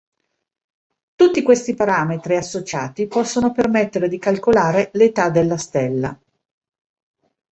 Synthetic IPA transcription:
t̪ut̪ːikwest̪ipaɾaːmet̪ɾiasːot͡ʃaːt̪ipɔsːonopermet̪ːeɾed̪ikalkolaːɾelet̪ad̪elːast̪elːa̰

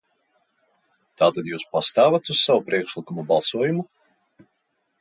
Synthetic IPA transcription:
t̪aːt̪ad̪juːspast̪aːvat̪ussavupɾiɛkʃlˠikumubalˠsuɔjumu

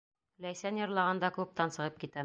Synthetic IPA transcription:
læjsænjɒ̆ɾlˠɑʁɑnd̪ɑklˠup̚t̪ɑnsɤ̆ʁɤp̚kit̪æ

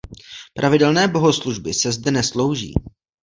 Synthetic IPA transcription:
pɾʔavɪdɛlnɛːbo̞ɦo̞sluʒbɪsɛzdɛnɛslo̞wʒḭː

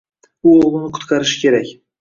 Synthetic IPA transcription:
ʊoʁlˠɨnɪqʰʊ̥t̪qʰɑɾɪʃɪ̥kʲʰe̞ɾakʲ

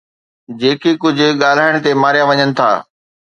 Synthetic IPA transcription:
d͡ʑeːkekʊd͡ʑʱʊ̆ɠaːl̤aːɪɽ̃̆t̪emaːɾjaʋɐɲənɪ̆t̪ʰa̰ː

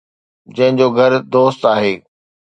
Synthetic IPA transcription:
d͡ʑɐ̃ɦɪ̃ɲd͡ʑoːɡʱɐɾd̪oːst̪aːɦeː

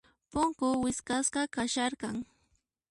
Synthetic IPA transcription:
pʊŋkʊwɪskasqɑkaʃaɾqɑŋ

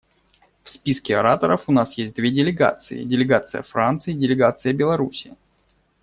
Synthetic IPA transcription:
fspʲiskʲɪɐɾat̪əɾəfʊnasjesʲt̚ʲd̪vʲedʲɪlʲɪɡa̰t̪sɨɪ̰dʲɪlʲɪɡat̪sɨjə̰fɾant̪sɨjɪdʲɪlʲɪɡat̪sɨjəbʲɪlˠɐɾusʲɪɪ

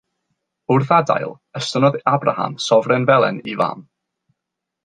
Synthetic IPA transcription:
ʊrθada̰jlˠ | əstənɔðabra̰ha̰msɔvrɛnvɛlˠɛ̰niva̰ːm

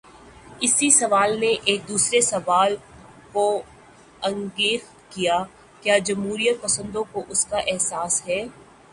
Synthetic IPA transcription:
ɪsisɐʋaːlneʔeːk̚d̪uːsɾesɐʋaːl | ko | ɐ̃ŋɡeːx | kija | kjaːd͡ʒɐmɦuːɾijət̪̚pɐsə̃nd̪õkoʔʊskaʔɛɦsaːsɦɛː

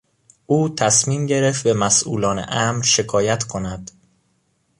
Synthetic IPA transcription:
ʔuːt̪ʰæsmiːmɟe̞ɾeft̪bemæsʔuːlɒːnḛʔæmɾʃe̞kʰɒːjæt̪ʰkʰo̞næd̪̥

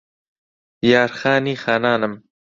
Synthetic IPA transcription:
jɑːɾxɑːniːxɑːnaːnɐm

